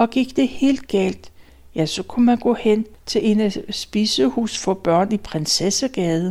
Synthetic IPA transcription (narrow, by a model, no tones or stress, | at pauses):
ɒ̽ɡ̥iɡ̥̚d̥e̝he̝̰ːld̥̚ɡ̥ɛ̰ːld̥ | jæsɒ̽kʰumænɡ̥ɔ̰ːhen̰t͡sʰe̝le̝næsb̥isəhṵːsfɒ̽b̥ɶɐ̰nipʰʁɛnsesæɡ̥ɛːð̞ˠ